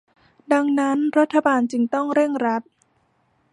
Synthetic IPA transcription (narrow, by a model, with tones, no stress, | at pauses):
da˧ŋna˦˥nɾa˦˥t̪ʰːa˧baː˧nt͡ɕɯ˧ŋt̪ɔ˥˩ŋɾe˥˩ŋɾa˦˥t̪̚